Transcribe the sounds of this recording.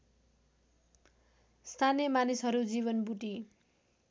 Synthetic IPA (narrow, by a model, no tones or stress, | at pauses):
st̪ʰanjʌmanisʌɾud͡ziβʌnbuʈi